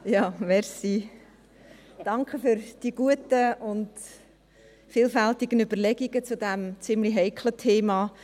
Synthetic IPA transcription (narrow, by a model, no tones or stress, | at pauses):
jɑːmɛɾsi | d̥ɑŋkχəfʏɾd̥iɡ̥uətəʊnt | fiːlfæltiɡənybəɾlɛɡiɡ̥ət͡sʊdɛmt͡sɪmliɦɛɪkʰlətʰeːmɑː